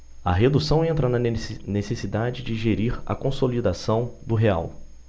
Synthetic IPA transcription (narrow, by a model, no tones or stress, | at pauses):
ɐɦed̪usɐ̃w̃ẽnt̪ɾɐnɐnesesid̪ad͡ʒɪd͡ʒɪʒeɾiɾɐ̰kõsolid̪asɐ̃w̃d̪ʊɦea̰w